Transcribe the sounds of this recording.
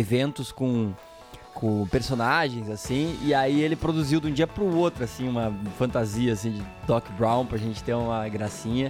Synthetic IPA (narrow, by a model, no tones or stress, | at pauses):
evẽnt̪ʊskõ | kʰõpeɾsonaʒẽj̃zasĩɪaielɪpɾod̪uziwd̪ũd͡ʒiɐpɾʊot̪ɾʊasĩũmɐfɐ̃nt̪aziɐːsĩd͡ʒɪ | d̪ɔkbɾãw̃pɾɐʒẽnt͡ʃɪ̥t̪eũmɐɡɾasĩɲɐ